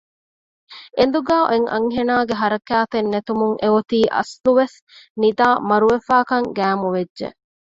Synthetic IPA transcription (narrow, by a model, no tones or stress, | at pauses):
ʔen̆d̪uɡaːʔeŋʔɐ̰ŋɦenaːɡeɦɐɾɐkæːt̪enːet̪umuŋʔeot̪iːʔɐ̰sluʋes | nid̪aːmɐɾuʋefaːkɐŋɡæːmuʋedːʒḛ